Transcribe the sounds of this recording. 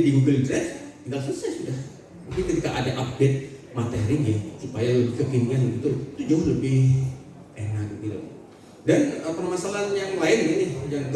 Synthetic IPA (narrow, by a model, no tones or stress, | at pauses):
diɡuɡəlnt̪ɾɛəŋɡalsusasudah | mukɪŋkət̪ikaʔadaʔap̚det̪̚mat̪eɾɪŋjasupajaləbɪkəkinŋanləbit̪ʊlt̪ud͡ʒaləbɪh | ʔenak̚ət̪ila̰ | danəpərmasalanjaŋlaɪnninɪd͡ʒaŋ